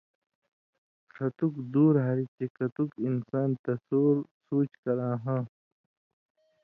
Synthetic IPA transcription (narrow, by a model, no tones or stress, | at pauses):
xʰɐt̪ukd̪uːɾɦɐɾit͡ɕekɐt̪ukinsaːnt̪ɐsoːɾsuːt͡ɕkɐɾãːɦãː